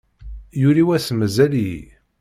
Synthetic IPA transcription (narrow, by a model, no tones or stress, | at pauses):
juɾiwæsməzæl̰